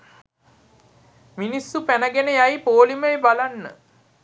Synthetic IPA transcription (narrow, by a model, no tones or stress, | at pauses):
minisːupænəɡenəjajpoːliməebalanːə̰